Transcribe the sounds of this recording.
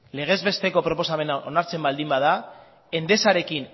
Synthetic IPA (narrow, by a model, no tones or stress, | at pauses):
le̞ɣ̞ezβe̞st̪e̞ko̞pɾo̞po̞same̞naʔo̞naɾt͡se̞mbald̪imbaða | e̞nd̪e̞saɾe̞kin